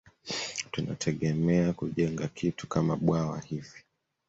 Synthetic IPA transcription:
tuna̰tʰɛɠɛmɛakuʄɛŋɡakʰitu̥kamaɓwawa̰hivi̥

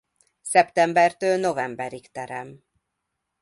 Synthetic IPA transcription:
sɛpt̪ɛmbɛrt̪øːlno̞vɛmbɛɾikt̪ɛɾɛm

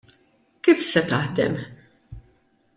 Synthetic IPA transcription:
kiːfsɛt̪ɐħd̪ɛ̰m

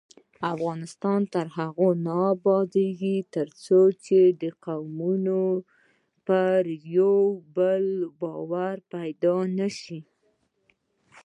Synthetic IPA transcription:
afɣɑnɪst̪ɑnt̪əɾɦaɣonɑbɑd̪eɡit̪əɾt͡sot͡ʃed̪əqawmuno | pəɾjawbəlbɑwaɾpajd̪ɑnaʃi

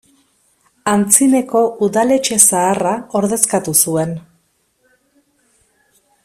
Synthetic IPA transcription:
ant͡sine̞ko̞ʔuðale̞t͡ʃe̞saːrao̞ɾðe̞skat̪usue̞n

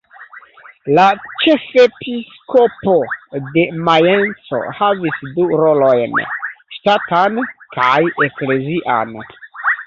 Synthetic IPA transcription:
lat͡ʃe̞fepiskopo̞de̞majent͡so̞̰havisduɾo̞lo̞jnʃtatankʰajekle̞ziʔa̰n

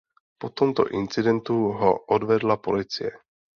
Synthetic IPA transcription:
po̞t̪o̞mt̪o̞̰ʔɪnt͡sɪdɛnt̪uɦoʔodvɛdlapo̞lɪt͡sɪ̰jɛ

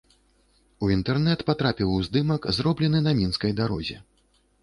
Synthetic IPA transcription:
uint̪ɛrnɛt̪pat̪ɾapʲiwzd̪ɨmɐkzrɔblʲɛnɨnɐmʲinskɐjd̪aɾɔ̰zʲɛ

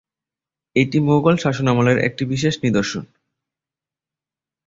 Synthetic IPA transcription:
eʈimoɡolʃaʃonamoleɾʔḛk̚ʈibiʃ̬eʃnid̪oɾʃon

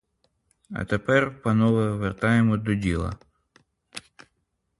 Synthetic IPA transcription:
ɐ̰t̪epɛrpɐnɔʋɛʋert̪ɑjemɔd̪ɔdʲilˠɐ̰

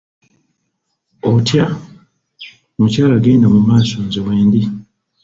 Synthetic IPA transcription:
otja | mucaːlaɡeːndamumaːso̞ɲzeweːndi

